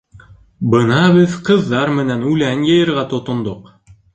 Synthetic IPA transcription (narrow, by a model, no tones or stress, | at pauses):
bɤnɑβɘðqɤ̆ðːɑɾmɘ̆nænʉlænjɤjɤ̆ɾʁɑt̪ŏt̪ŏnd̪oq